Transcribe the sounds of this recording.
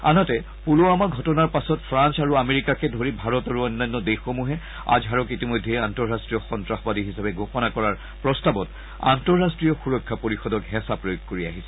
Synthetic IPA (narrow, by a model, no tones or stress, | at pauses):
a̰natɛ | puloamaɡʱɔtɔnaɹpasɔtpʰɹansaɹuameɹikakɛdʱoɹibʱaɹɔtaɹuɔjnːanːɔdexomuɦɛ | a̰d͡ʒɦaɹɔkitimɔjdʱːɛantɔɹastɹijɔxɔntɹaxɔbadiɦisabɛɡʱoxɔnakɔɹaɹ | pɹɔstabɔt | a̰ntɔɹːastɹijɔxuɹɔkʰːapoɹixɔdɔkɦɛsapɹojoɡ̚koɹiaɦisɛ̥